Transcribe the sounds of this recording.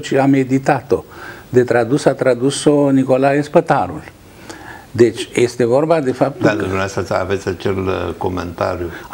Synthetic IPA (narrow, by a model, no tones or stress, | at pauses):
t͡ʃiame̞d̪it̪at̪o̞d̪e̞t̪ɾad̪usat̪ɾad̪usoniko̞laespət̪aɾṵl | d̪e̞t͡ʃʲjest̪e̞vo̞rbad̪e̞fap̚t̪masəa̰vet̪sʲat͡ʃelko̞mḛnt̪a̰ɾju